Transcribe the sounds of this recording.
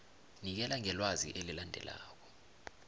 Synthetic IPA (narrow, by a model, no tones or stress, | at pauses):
nik̬ɛlaŋɛlwazḭʔelilandʱɛ̰la̰ːk̬ɔ̥